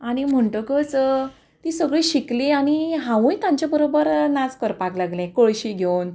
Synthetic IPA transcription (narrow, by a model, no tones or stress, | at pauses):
aɽ̃im̤əɳʈəkət͡s | t̪iːsəɡɭiɕikliaɽ̃iɦãʋũjt̪jãɲt͡ɕjabəɾobəɾnat͡skəɾpaklaɡlɛ̃kəɭɕiːɡʱewn